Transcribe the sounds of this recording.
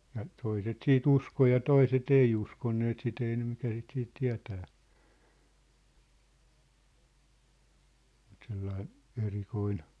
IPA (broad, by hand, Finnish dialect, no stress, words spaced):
jɑ toiset siːt usko jɑ toiset ei uskonːeːt sit ei ne mikæ sit siːt tiæ̝tæː mut selːɑi erikoin